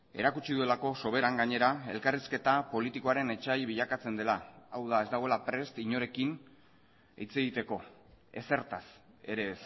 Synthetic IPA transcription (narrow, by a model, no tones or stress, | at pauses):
e̞̰ɾakut͡ʃiðue̞lako̞so̞β̞e̞ɾaŋɡaɲe̞ɾae̞̰lkariske̞t̪apo̞lit̪ikoaɾe̞ne̞t͡ʃajβiʎakat͡se̞nd̪e̞laːwðae̞zd̪aɣ̞o̞e̞lapɾe̞st̪iɲo̞ɾe̞kin | e̞̰jt͡se̞ɣ̞it̪e̞ko̞e̞̰se̞ɾt̪as | e̞ɾe̞s